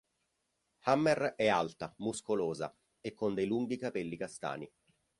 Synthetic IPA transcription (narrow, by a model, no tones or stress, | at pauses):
hamːɛrɛalt̪amuskoloːza̰ | ekːond̪ejluŋɡikapɛlːikast̪a̰ːni